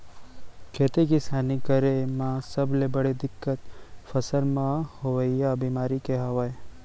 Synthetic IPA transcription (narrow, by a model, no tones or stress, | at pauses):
kʰet̪ekist̪ʰanikəɾemãsəblebəɽed̪ɪkːət̪̚fəsəɾmãhoʋəjjabimaɾikeɦəʋaj